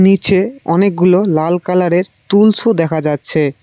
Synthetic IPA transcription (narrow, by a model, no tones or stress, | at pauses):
nit͡ɕʰeɔnek̚ɡulolalkalaɾeɾt̪ulsʰod̪ɛkʰad͡ʑatːɕʰe